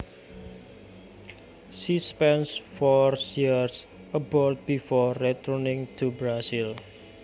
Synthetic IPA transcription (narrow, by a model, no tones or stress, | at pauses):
sispɛnsfɔrsjirs | əbɔld̪̚bifɔrɛt̪ʰɔrnɪ̃ŋt̪ʰubɾasil